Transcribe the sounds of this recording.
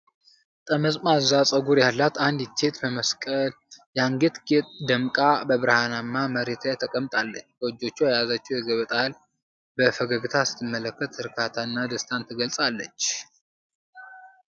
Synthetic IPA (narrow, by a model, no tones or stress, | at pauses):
t̪ʼəməsʼmazasʼəɡuɾjalːat̪and̪jit͡ʃːe̞t̪bəməskʼəl | jaŋɡet̪ɡet̪ʼd̪əmkʼabəβɨɾhanamːaməɾet̪ʰat̪ʰəkʼəmt̪ʼalːət͡ʃːbəwɨd͡ʒːo̞t͡ʃːuajazat͡ʃːɛwjɛɡəβət̪ʼal | bəfəɡəɡɨt̪ʰasɨ̥t̪ʰːɨmːələkːət̪hɨɾkʰat̪ʰaɨnːad̪əst̪ʰant̪ʰːɨɡəlsʼalːət͡ʃː